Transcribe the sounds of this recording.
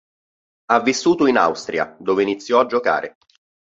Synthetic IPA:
avːisːuːt̪oina̰wst̪ɾja̰d̪oːveinit̪sːjɔad͡ʒːoka̰ːɾʔe

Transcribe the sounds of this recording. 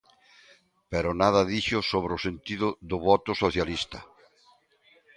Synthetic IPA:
peɾʊnaðɐðiʃʊsoβ̞ɾʊsent̪iðʊðʊβɔt̪ʊsoθjalist̪ɐ

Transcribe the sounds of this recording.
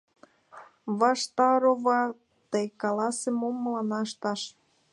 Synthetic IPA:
βɑʃt̪ɑɾoβɑ | t̪ekɑlɑsemomːəlɑnɑʃt̪ɑʃ

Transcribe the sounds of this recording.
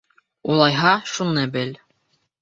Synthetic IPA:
ulˠɑjɦɑʃunɤbɘl

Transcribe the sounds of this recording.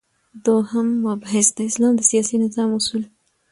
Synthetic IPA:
d̪ohamːabɦɪsd̪aɪslɑːmd̪əsijɑsinɪzɑːmʊsul

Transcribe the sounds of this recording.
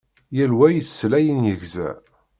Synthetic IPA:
jælwæjəsːlæjənjəʝzæ̰

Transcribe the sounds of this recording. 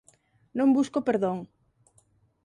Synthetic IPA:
nõmbuskopeɾðoŋ

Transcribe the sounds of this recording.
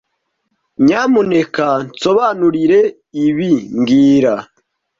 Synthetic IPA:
ɲamune̞kanso̞βanuɾiɾe̞ | iβiŋɡiːɾa

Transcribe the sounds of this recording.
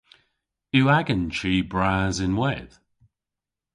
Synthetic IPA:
uaɡənt͡ʃiːbɹaːzɪ̃nwɛð̥

